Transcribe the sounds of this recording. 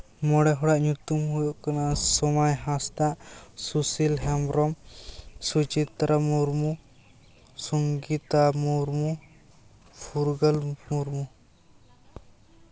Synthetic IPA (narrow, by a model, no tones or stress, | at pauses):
mɔɽɛɦɔɽaʔɲut̪umɦujɔʔkanasɔmajɦãst̪aʔsusilɦɛmbɾɔmsut͡ʃit̪ɾamuɾmu | sɔŋɡit̪amuɾmu | pʰuɾɡəlmuɾmu